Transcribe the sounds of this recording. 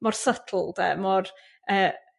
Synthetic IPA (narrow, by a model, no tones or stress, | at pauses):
mɔrsətʰl̩ˠdɛ̰mɔr | əː